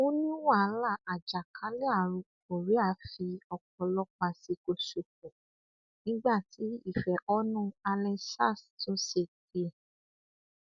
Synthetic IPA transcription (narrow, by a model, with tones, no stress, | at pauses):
o˦nĩ˦wa˦˨˦la˦˨a˨d͡ʒa˨kʰã˨˦lɛ˦a˦˨ɾũ˨˦ko˨ɾi˨˦a˧fi˧ɔ˧k̚ɔ˧lɔ˧˦k͡pa˧si˧ko˧ʃo˨kɔ̃˨ | nĩ˦ɡ͡ba˦˨ti˨˦i˦˨fɛ˨ʔɔ˧˦nũ˦˨a˧lɛ̃˧sa˦˨stõ˦se˧˨k̚i˨˦ɛ˨